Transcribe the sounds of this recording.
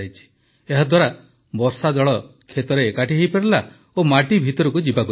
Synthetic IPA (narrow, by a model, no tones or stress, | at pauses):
ajt͡ʃʰi̥ | eɦad̪ʱwaɾa | bɔɾsad͡ʒɔɭɔ | kʰet̪ɔɾeːkaʈʰiɦejpeɾɔla | omaʈibʱit̪ɔɾɔkud͡ʒibakɔ